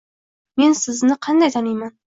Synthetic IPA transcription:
me̞nsɪznɪqʰɑnd̪ajt̪ʰanɪjman

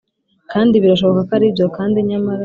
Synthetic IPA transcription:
kaːndiβiɾaʃo̞βokakaɾibɟo̞kaːndiɲamaɾa

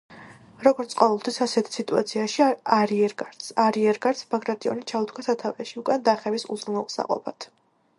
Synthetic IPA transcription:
ɾɔɡɔɾt̪sʼqʼɔvɛlˠt̪ʰwisasɛt̪ʰi̥sit̪ʼuat̪sʰiaʃiaɾiɛɾɡaɾt̪saɾiɛɾɡaɾt̪sʰbaɡɾat̪ʼiɔ̰nit͡ʃʰaut̪ʰkʰasat̪ʰavɛʃiukʼand̪aχɛvisṵzɾumɛlˠqʼsa̰qʼɔ̰pʰat̪ʰ

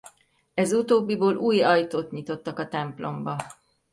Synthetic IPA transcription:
ɛzut̪oːbːiboːlʔuːjɒjt̪oːt̪ɲit̪o̞t̪ːɒkɒt̪ɛmplo̞̰mbɒ

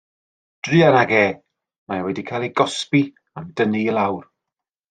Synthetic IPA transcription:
d̥rɨanaɡeː | majawɛdikʰajlˠiɡɔspi | amdənilˠawr

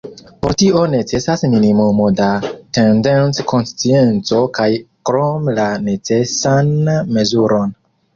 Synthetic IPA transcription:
poɾtiʔone̞t͡se̞sasminimumo̞date̞ndensko̞nst͡sient͡so̞kajkɾomlane̞t͡se̞sanme̞zuɾo̞n

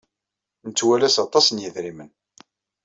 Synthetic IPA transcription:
nət͡sːwælæsɑt̪ˤːɑsənjəðɾimən

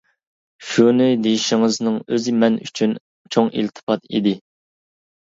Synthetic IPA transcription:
ʃunɪd̪ejiʃɪŋɨznɨŋøzɪmɛny̰t͡ʃʰyn | t͡ʃʰoŋḭlt̪ʰɨ̥pɑt̪ḭd̪ɪ

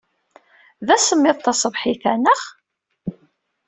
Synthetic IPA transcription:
ðæsəmːɪðˤt̪ːɑsˤəvħiθænəχ

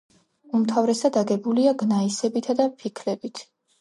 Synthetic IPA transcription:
umt̪ʰavɾɛsad̪aɡɛbuliaɡnaisɛbit̪ʰad̪apʰikʰlɛbit̪ʰ

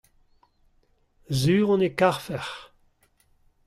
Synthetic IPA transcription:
zyːʁɔ̃nekaʁfɛʁ

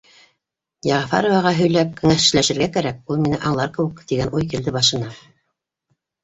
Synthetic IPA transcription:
jɑʁɑfɑ̰ɾŏvɑʁɑɦɵ̆jlæp̚kɵ̆ŋæʃɘ̥̆læʃɘ̆ɾɡækæɾæk̚ulˠminɘʔɑɴlˠɑɾkɤ̆wɘ̆kt̪iɡænʔujk̬ild̪ɘbɑʃɤ̆nɑ

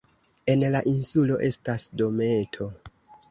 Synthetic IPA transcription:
e̞nlaʔinsulo̞ʔe̞stasdo̞me̞tʰo̞

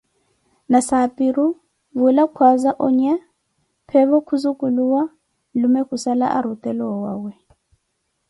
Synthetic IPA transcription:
nasapʼiɾu | βulakʰwazaʔɔɲɛ | pʰɛβɔkʰuzukʼuluwa | lumɛkusala̰ʔaɾut̪ʼɛlɔwaːwɛ

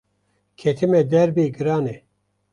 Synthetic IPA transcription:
kʰet̪ʰimɛd̪ɛɾbeːɡɨɾɑːnɛ

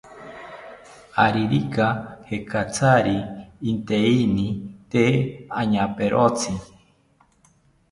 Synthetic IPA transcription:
aɾiɾikahekʰat͡saɾiːnt̪einĩt̪eaɲãpeɾʔot͡si

